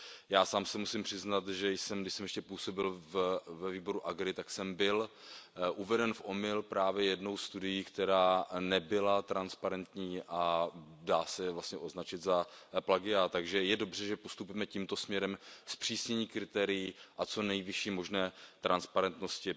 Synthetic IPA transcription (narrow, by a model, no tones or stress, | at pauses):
jaːsaːmsɛmusɪmpr̥ɪznat̪ʒɛjsɛmɡdɪʃsɛmjɛʃcɛpuːso̞bɪlvvɛviːbo̞ɾuʔaɡɾɪt̪aksɛmbɪl | ʔuvɛdɛnfʔo̞mɪlpɾaːvjɛjɛdno̞wsst̪udɪjiːkt̪ɛɾaːnɛbɪlat̪ɾanspaɾɛnt̪ɲiːʔadaːsɛvlastɲɛʔo̞znat͡ʃɪt̪zaplaɡɪat̪aɡʒɛjɛdo̞br̝ɛʒɛpost̪upujmɛciːmt̪o̞smɲɛɾɛmspr̝̥iːsɲɛɲiːkɾɪt̪ɛːɾɪjiʔat͡so̞nɛjvɪʃiːmo̞ʒnɛːt̪ɾʔanspaɾɛnt̪no̞scɪ